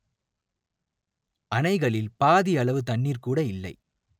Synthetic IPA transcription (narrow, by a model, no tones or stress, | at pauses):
ʔɐnɐɪɣɐɭɪlpaːðiɐɭɐʋɯt̪ɐɳːiːrkuːɽɐɪlːɐ̰ɪ